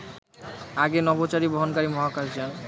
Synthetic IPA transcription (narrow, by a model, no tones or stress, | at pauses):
aɡenɔbot͡ɕaɾiboɦonkaɾimɔɦakaʃd͡ʑan